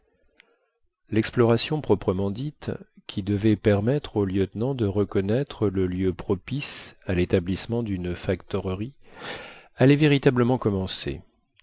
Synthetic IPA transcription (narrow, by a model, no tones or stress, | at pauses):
lɛksplɔʁasjɔ̃pχɔpχəmɑ̃d̪it̪kʲʰid̪əvɛpɛʁmɛt̪χoljœt̪nɑ̃d̪əʁəkɔnɛt̪χələljøpχɔpisalet̪ablismɑ̃d̪ynfakt̪ɔʁəʁi | alɛveʁit̪abləmɑ̃kɔmɑ̃sḛ